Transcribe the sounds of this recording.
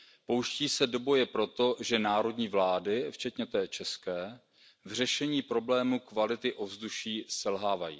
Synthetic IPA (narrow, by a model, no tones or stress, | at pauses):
po̞wʃciːsɛdo̞bo̞jɛpɾo̞t̪o̞ʒɛnaːɾo̞dɲiːvlaːdɪft͡ʃɛt̪ɲɛt̪ɛːt͡ʃɛskɛː | vr̝ɛʃɛɲiːpɾo̞blɛːmukvalɪt̪ɪʔo̞vzduʃiːsɛlɦaːvajḭː